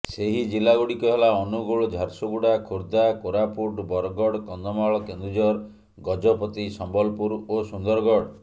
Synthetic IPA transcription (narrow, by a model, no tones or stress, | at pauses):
seɦid͡ʒilːaɡuɽikɔɦelaɔnuɡuɭɔd͡ʒʱaɾsuɡuɽakʰuɾd̪akoɾapuɖbɔɾɔɡɔɽkɔnd̪ɔmaɭɔkend̪ud͡ʒɔɾ | ɡɔd͡ʒɔpɔt̪isɔmbɔlpuɾosund̪ɔɾɡɔɽ